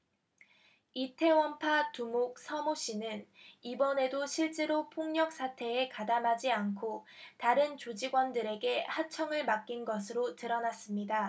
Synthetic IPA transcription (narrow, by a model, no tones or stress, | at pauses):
itʰe̞wʌmpʰatumok̚sʰʌmoɕ͈inɯnibʌne̞doɕʰiɭt͡ɕ͈e̞ɾopʰoŋɲʌk̚s͈ʰatʰe̞ːkadamɦad͡ʑiankʰotaɾɯnt͡ɕod͡ʑiɡwʌndɯɾe̞ɡe̞hat͡ɕʰʌŋɯɭmak͈inɡʌs̬ʰɯɾotɯɾʌnas͈ɯmɲida